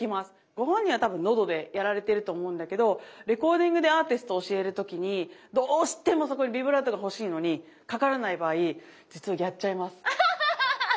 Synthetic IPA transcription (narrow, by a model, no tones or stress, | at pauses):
kʲimasɨ̥ | ɡ̥o̞ɦõ̞ɲ̟ĩɰβat̪abɯ̟̃nːo̞d̪o̞d̪e̞jaɾaɾe̞t̪e̞ɾɯ̟t̪o̞ːmo̞ɯ̟̃nd̪ake̞d̪o̞ɾe̞ko̞ːd̪ʲĩŋɡɯd̪e̞aːt̪isɨ̥t̪oːɕie̞ɾɯ̟t̪o̞kʲiɲ̟id̪oːɕi̥t̪e̞mo̞so̞ko̞ɲ̟ibʲibɯ̟ɾad̪oɡaɦo̞ɕiːno̞ɲ̟i | kakaɾanaibaːi | d͡ʑit͡sɨβajʲat͡ɕt͡ɕːaimasɨ̥